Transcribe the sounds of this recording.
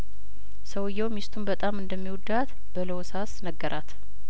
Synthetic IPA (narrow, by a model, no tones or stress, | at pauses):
səwɨjːɛwmist̪ʰumbət̪ʼamɨnd̪əmːiwɔd̪at̪ | b̥ələwɔsasnəɡːəɾʔat̪